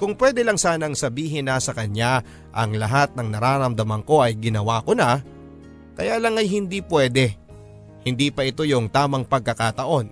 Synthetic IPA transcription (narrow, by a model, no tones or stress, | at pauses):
kʊŋpwɛd̪ɛlɐŋsaːnɐŋsɐbiːɦɪnːɐsɐkɐɲa | ʔɐŋlɐɦat̪̚nɐŋnɐɾaːɾɐmd̪ɐmɐŋko̞ʔɐjɡɪnɐwaːko̞na | kɐjaːlɐŋɐjhɪnd̪iːpwɛːd̪ɛ | hɪnd̪iːpɐʔɪt̪o̞jʊŋt̪aːmɐŋpɐɡ̚kɐkat̪ɐʔo̞n